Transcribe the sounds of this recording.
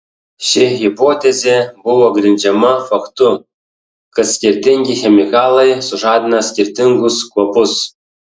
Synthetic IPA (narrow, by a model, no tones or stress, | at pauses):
ɕɪɣʲipot̪ʲezʲebuʋoɡrʲinʲd͡ʒʲɛmafɐkt̪u | kəsʲkʲirʲt̪ʲɪŋʲɡʲixʲemʲikɑlˠɤjsuʐɑd̪ʲɪnɐsʲkʲirʲt̪ʲiŋɡʊskuɔpʊs